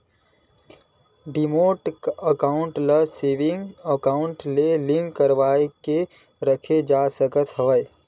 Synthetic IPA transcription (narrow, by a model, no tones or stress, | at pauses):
ɖɪmoːʈəkaːʊ̃ɳʈləseʋɪ̃ŋɡəkaːʊ̃ɳʈlelɪ̃ŋkkəɾʋaːeke | ɾəkʰed͡ʒaːsəkət̪ɦəʋəj